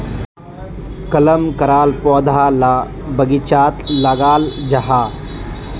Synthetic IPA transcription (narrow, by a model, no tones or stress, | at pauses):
kɐləmkɐɾaːlpɔːd̪ʱaːla | bɐɡit͡ʃaːt̪laːɡaːld͡ʒɐɦaː